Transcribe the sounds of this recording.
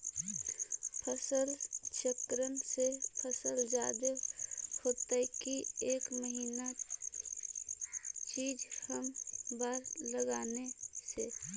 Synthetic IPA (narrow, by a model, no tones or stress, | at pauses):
pʰəsəlt͡ʃəkɾənsepʰəsəld͡ʒaːd̪əhoːt̪ekieːkməɦiːna | t͡ʃiːd͡ʒhəmbaːɾləɡaːnese